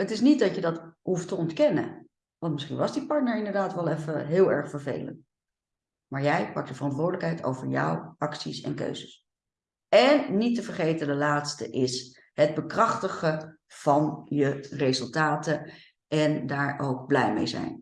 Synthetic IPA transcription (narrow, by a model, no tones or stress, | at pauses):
ətɪsnit̚dɑcjədɑtɦuftəɔntkɛnə̰ | ʋɑntmɪsχinʋɑsdipɑɹtnəɹɪndəɹdaːtʋɛlˠɛfəɦɪːlˠɛ̰ɹχfəɹvḛjlə̰nt | maːɹjɛjpɑk̚dəvərɑntʋʊːɹdələkɦɛjtʰo̰wvəɹjɔ̰wɑksisɛ̰nkø̰ɥzəs | ɛnːitəvəɹχejtədəlaːtstə̰ʔɪs | ɦəd̚bəkrɑχtəχə | v̥ɑnjərezɵlˠtaːtə | ʔɛndaːɹʔowɡ̚blɛjmḛjzɛ̰jn